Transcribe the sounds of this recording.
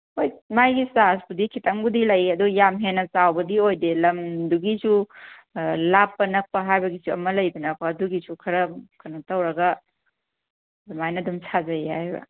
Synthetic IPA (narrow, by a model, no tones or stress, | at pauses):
ojmajɡisasbudikʰitʰɐŋbudilɐjɐdujamɦenːɐsawbɐdiojdelɐmduɡisu | lapːɐnɐk̚pɐɦajbɐɡisuɐmɐlɐjdunɐkʰoɐduɡisukʰɐɾɐkʰɐnutɐwɾɐɡɐ | dmajnɐdumsʰazɐjhajbɐ̰